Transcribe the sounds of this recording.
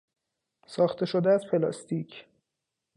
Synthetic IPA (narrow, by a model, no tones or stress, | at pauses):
sɒːxt̪ʰe̞ʃo̞d̪eæz̥pʰe̞lɒ̰ːst̪iːcʰ